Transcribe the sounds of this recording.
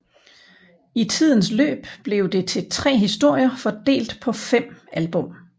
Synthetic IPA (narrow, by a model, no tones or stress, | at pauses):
it͡sʰið̞̰ˠn̩slø̰ːb̥b̥le̝ʊd̥e̝t͡sʰe̝t͡sʰʁɛ̰ːɦisd̥o̝ɐ̰jɐfɒ̽d̥e̝̰ːld̥pʰɒ̽fem̰ælb̥ɔ̽m̰